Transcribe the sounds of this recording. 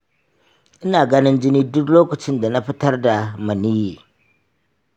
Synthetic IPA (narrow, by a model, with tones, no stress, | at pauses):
ʔɪ˦naː˨ɡa˦nɪ˦nd͡ʒɪ˦ni˦dʊ˦kloː˦kɐ˨t͡ʃɪ˦nda˨na˦ɸɪ˦tɐ˦rda˨ma˨ni˦ji˨